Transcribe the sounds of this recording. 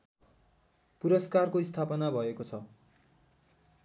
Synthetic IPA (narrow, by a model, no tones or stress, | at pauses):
puɾʌskarkoist̪ʰapʌnabʱʌekot͡sʰʌ